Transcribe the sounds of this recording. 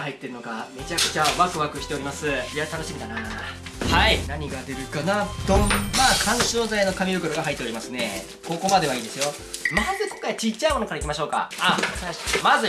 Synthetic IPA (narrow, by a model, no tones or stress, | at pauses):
hait̪ːe̞ɾɯ̟nokame̞t͡ɕakɯ̟̥t͡ɕaβakɯ̟βakɯ̟ɕi̥t̪e̞oɾimasɨijat̪anoɕimʲid̪ana | hainaɲ̟iɡad̪e̞ɾɯ̟kanat̪omaːkʰãɰ̃ɕo̞ːzaino̞kamʲibɯ̟kɯ̟ɾoɡaɦait̪ːo̞ɾʲimasɨne̞ | ko̞ko̞mad̪e̞β̞aiːd̪e̞sɨjo̞ | mazɨkõ̞ŋkajat͡ɕit͡ɕːaimo̞no̞kaɾaikʲimaɕo̞ːka̰asaɕmazɨ